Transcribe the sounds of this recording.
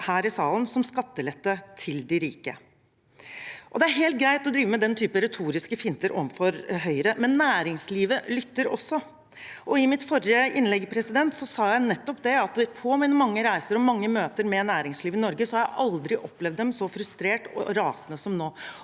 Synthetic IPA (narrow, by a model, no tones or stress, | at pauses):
hæːɾɪsɑːlənsɔmskɑt̪ːəlɛt̪ːət̪ʰɪld̪ɪɾiːkə̰ | ʔɔd̪ɛæɾɦeːlt̪̚ɡɾæɪt̪ɔd̪ɾiːʋəmɛd̪ɛnt̪ʰyːpəɾɛt̪ʰuːɾɪskəfɪnt̪əɾʔɔmfɔɾɦœʏɾəmɛnːæːɾɪŋsliːʋəlʏt̪ːəɾɔ̰sːɔ | ʔɔɪmɪt̪fɔɾjəɪnlɛɡːpʰɾɛsɪd̪ɛnt̪sɔsɑːjæɪnɛt̪ːɔpd̪ɛɑt̪pʰɔmiːnəmɑŋːəɾæɪsəɾɔmɑŋːəmøːt̪əɾmɛnæːɾɪŋsliːʋɪnɔɾɡəsɔhɑɾjæɪʔɑld̪ɾɪʔɔplɛʋd̪ɛmsɔfɾʉst̪ɾeːʈɔ̰ɾɑːsənəsɔmnoː